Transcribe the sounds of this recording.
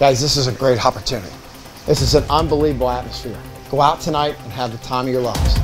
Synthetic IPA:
ɡ̥aɪzðɪsɨzɨɡɹeɪɾɑpə˞tʰʉnɨ̰ɾḭ | ðɪsɨzɨ̃nʌ̃nbəlivbl̩ˠæt̚məsfɪɹ | ɡ̥oʊaʊtʰɨnaɪɾə̃nɨvðɨtʰãɪ̃mʌvjə˞lʌvz̥

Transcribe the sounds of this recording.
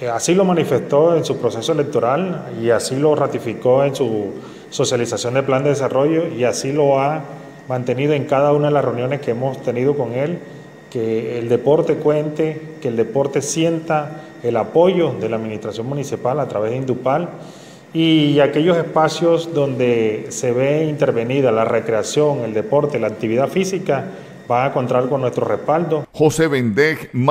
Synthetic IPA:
asilo̞manife̞st̪o̞e̞nsupɾo̞se̞soele̞k̚t̪o̞ɾaliasilo̞rat̪ifiko̞ensu | so̞sjalisasjo̞nd̪e̞pland̪e̞ð̞esaro̞ʝo̞iasilo̞a | mãnt̪e̞niðo̞e̞ŋkaðaunaðelasre̞unjo̞ne̞ske̞emo̞st̪e̞niðo̞ko̞ŋe̞l | ke̞ːld̪e̞po̞ɾt̪e̞kwe̞nt̪e̞keːld̪e̞po̞ɾt̪e̞sje̞nt̪a | elapo̞ʝo̞ðe̞laːðminist̪ɾasjo̞ŋmũnisipalat̪ɾaβe̞zðeind̪upal | iake̞ʝo̞se̞spasjo̞sd̪o̞nd̪e̞se̞βeint̪e̞ɾβe̞niðalare̞kɾe̞asjo̞ŋe̞ld̪e̞po̞ɾt̪e̞laːk̚t̪iβiðafisika | baŋako̞nt̪ɾaɾko̞nːwest̪ɾo̞re̞spald̪o̞xoseβend̪exm

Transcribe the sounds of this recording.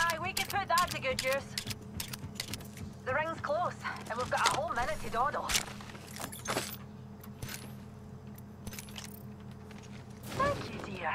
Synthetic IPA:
aɪwikɨ̃npʰʊt̪̚ðətɨɡəd͡ʒʉs | ðəɹɪ̃ŋz̥kʰl̥osə̃nwivɡɑɾəhoʊlˠmɛnɨtɨdɔdl̩ˠ | θæ̃ŋkʰjʉdɪ

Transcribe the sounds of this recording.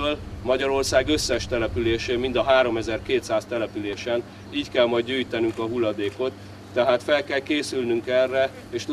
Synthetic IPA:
ølmɒɟɒɾo̞rsaːɡø̞sːɛʃt̪ɛlɛpyleːʃeːmind̪ɒɦaːɾo̞mɛzɛrkeːt̪saːst̪ɛlɛpyleːʃɛn | iːckɛlmɒjd̚ɟyːjt̪ɛnyŋkɒɦulːɒd̪eːko̞t̪ː | ɛɦaːt̪fɛlkɛlkeːsylnyŋkɛrːɛ | eːʃt̪

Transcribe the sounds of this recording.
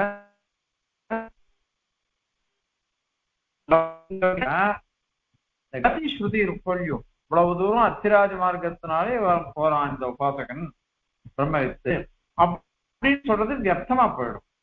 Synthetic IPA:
lɐŋɡɐɐ | nd̪ɐɡɐt̪iɕɾʊðiɪɾɯpːɐɭju | ʋɐɭɐʋɐd̪uːɾɐ̃ɐt̪ːɪɾaːd͡ʒɐmaːɾɡɐt̪ːɯnaːleʋaːɾɐ̃mpoːɾãːɪnd̪ɐʊbaːsɐkɐn | bɪɾɐmːɐʋɪt̪ːɯ | ɐ | ɽɪnːsɔlrɐðɯʋjɐk̚t̪ːɐmaːpoːjɽɯ̰̃m

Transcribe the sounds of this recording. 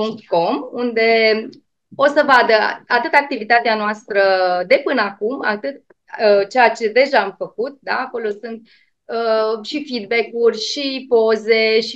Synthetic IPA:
puŋk̚t̪ko̞mund̪e̞ | o̞səvad̪əat̪ɨt̪ak̚t̪ivit̪at̪eanoast̪ɾəd̪e̞pɨnəakuma̰t̪ɨt̪̚ | ət͡ʃejat͡ʃe̞d̪e̞ʒaːmfəkut̪̚d̪a̰ːko̞lo̞sunt̪̚ | əʃifid̪bekurʲʃipo̞ze̞ʃi

